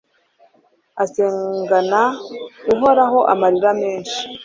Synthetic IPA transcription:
aseːŋɡanauɦo̞ɾaɦo̞ʔamaɾiɾame̞ːnʃi̥

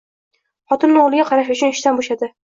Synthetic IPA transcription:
χɒt̪ʰɪnːɪolˠɪɡʲaqʰɑɾaʃ̬ʊt͡ʃʰʊnɪʃt̪anboʃad̪ɪ

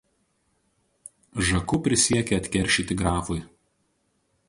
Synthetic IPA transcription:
ʒɐkʊpʲɾʲɪsʲiɛkʲɛɐt̪ʲkʲɛɾʲˑʃʲit̪ʲɪɡɾɑːfʊj

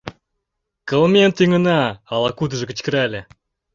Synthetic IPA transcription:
kə̆lˠmʲent̪yŋə̆nɑɑlˠɑkud̪ə̆ʒɤ̆kə̆t͡ɕkə̆ɾælʲĕ

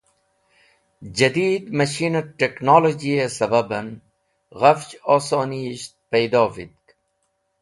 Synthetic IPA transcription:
d͡ʑɐd̪iːd̪mɐʃiːnɐʈeknoːlod͡ʑiesɐbɐbɐn | ɣɐft͡ʃoːsoːniʃt̪̚pejd̪oːvḭd̪̚k

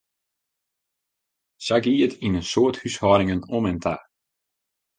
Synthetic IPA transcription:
saɡiətʰinənsoəthyshɔːɾɪŋənɔmɛntʰa

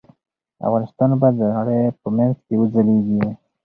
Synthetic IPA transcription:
a̰fɣɑnɪst̪ɑnbajd̪əɣaɽejpəmanzkewəd͡zaleɡi

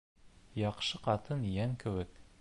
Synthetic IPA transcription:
jɑqʃɤqɑt̪ɤnjæŋkɘ̆wɘk

